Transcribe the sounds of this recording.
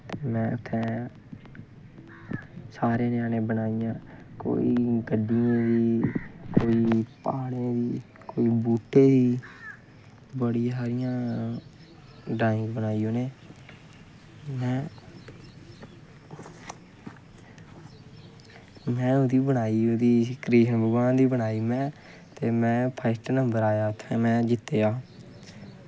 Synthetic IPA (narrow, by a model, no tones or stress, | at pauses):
mɛ̃ːʊt̪ʰːɛː | saːɾeːnɪjaːnẽːbənaːijãːko̰ːḭːɡəɖɪjãːd̪iːkoːiːpaːɽẽːd̪iː | koːiːbuːʈːeːd̪iː | bəɽɪjasaːɾɪjãː | ɖaːɪ̃ŋkbənaːiːõːnẽː | mɛ̃ː | mɛ̃ːʊd̪iːbəɽ̃aːiːʊd̪iːkɾeːʃənbəɡãːd̪iːbəɽaːiːmɛ̃ː | t̪eːmɛ̃ːpʰəɪsʈənəmbəɾaːjaːʊt̪ʰːɛ̃ːmɛ̃ːd͡ʒɪt̪ːeːaː